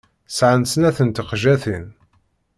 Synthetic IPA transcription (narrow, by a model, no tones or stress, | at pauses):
sʕansənæθənt̪əqʒæθən